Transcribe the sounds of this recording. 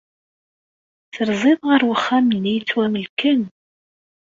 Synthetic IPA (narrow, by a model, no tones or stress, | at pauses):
t͡sːəɾzˤɪðˤʁəɾwəχːæmlːijt͡sːwæməlkən